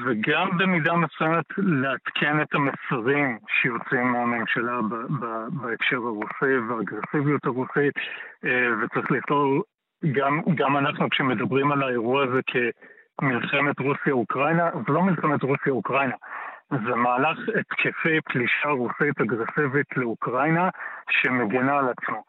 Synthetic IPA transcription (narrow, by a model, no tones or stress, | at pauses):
veɡambe̞midamesujemetleat̪kʰe̞netamesaʁimʃejo̞t͡simːeame̞mʃalabababaefʃe̞ʁhaʁusiveaɡʁe̞sivijutaʁusit | vet͡saʁiχliitol | ɡamɡamanaχnukʃeme̞dɐbʁimalae̞ʁuaazekʰe | milχe̞me̞tʁusjaukʁajnazelo̞milχe̞metʁusijaukʁajnazemaːlaχet̪kʰefepliʃaʁusitaɡʁe̞sivitʰle̞ukʁajnaʃe̞meɡinaːlat͡smo